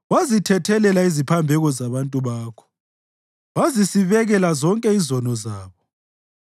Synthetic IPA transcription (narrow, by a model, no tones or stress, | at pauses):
wazitʰɛtʰɛlɛlaizipʰambʱɛɣɔzaβantʼuβaːkʰɔ̥ | wazisiβɛɣɛlazɔŋkʼɛizɔnɔzaːβɔ